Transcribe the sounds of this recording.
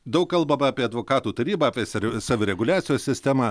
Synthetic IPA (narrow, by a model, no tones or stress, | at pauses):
d̪ɐʊkkɐlˠbɐmɐɑːpʲiɛɐd̪ʋoːkɑːt̪uːt̪ɐɾʲiːbɐɐːpʲiɛsɾʲsɑːʋʲʊɾʲɛɡʊlʲæːt̪sʲɪjoːsʲsʲɪsʲt̪ʲæmɑ